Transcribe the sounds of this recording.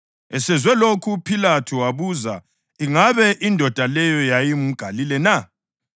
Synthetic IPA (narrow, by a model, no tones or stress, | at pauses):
ɛsɛzwɛlokʰupʰilatʰuwaβuza | iŋaβɛʔindʱɔd̥ʱalɛjɔjajimuɡ̥ʱalilɛna